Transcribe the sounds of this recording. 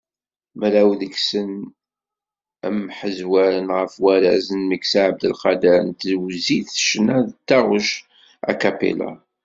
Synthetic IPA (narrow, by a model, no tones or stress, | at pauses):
mɾæwðəksən | ə̰mħəzwæɾənʁəfwæɾæzənməksaʕəb̚d̪əlqɑd̪æɾənt̪zwziθʃnæðt̪ːæʁəʃ | æ̰kæpḭla̰